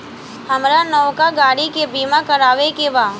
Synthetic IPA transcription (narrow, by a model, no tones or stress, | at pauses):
hɐmɾanɔʋkaɡaːɽikebiːmakɐɾaːʋekeʋaː